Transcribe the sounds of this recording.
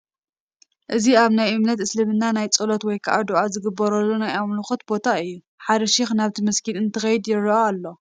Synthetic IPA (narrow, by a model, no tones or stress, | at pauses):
ʔɨziaβnajʔɨmnɐt̪ɨslɨmɨnːanajt͡sʼɨlot̪wɔjkʰɐʔad̪uʔazɨɡɨbːɐɾɐlːunajamlɨxot̪̚bo̞t̪ʰaɨjːu | ħaɾɐʃixnaβt̪ʰimɐskʰilɨnt̪ʰɨxɐjɪd̪jɪɾːɐaalːo̞